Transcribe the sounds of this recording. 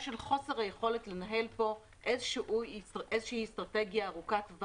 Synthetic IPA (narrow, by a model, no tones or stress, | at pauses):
ʃe̞lχo̞seʁhajeχo̞le̞tle̞naɦe̞lpo̞ | ʔezʃiʔuezʃehistʁate̞ɡjaːʁukatvv